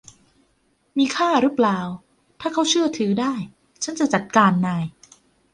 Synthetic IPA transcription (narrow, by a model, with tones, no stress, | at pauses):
miː˧kʰaː˥˩ɾɯː˦˥plaː˨˩w | t̪ʰaː˥˩kʰa˦˥wt͡ɕʰɯ˥˩ɐt̪ʰɯː˩˦daː˥˩j | t͡ɕʰa˦˥nt͡ɕa˨˩t͡ɕa˨˩t̪̚kaː˧nːaː˧j